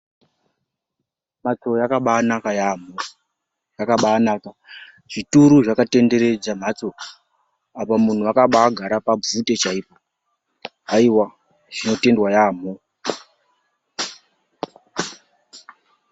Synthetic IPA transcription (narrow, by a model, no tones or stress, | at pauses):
mat͡so̞jakaɓanakajamo | jakaɓaːnaːka | ʐ̥ituɾuʐakate̞nde̞ɾe̞d͡zam̤at͡so̞ | apamun̤uakaɓaːɡʱaɾapab͡vute̞t͡ʃaiːpo | aiwa | ʐ̥ino̞te̞ndwajaːmo